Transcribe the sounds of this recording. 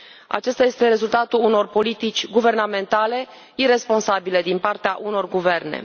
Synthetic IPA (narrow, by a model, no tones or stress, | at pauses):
a̰t͡ʃest̪aje̞st̪e̞ɾe̞zult̪at̪uluno̞rpo̞lit̪it͡ʃʲɡuve̞rname̞nt̪ale̞ | iɾe̞spo̞nsabile̞d̪inpart̪eaʔuno̞rɡuve̞rnḛ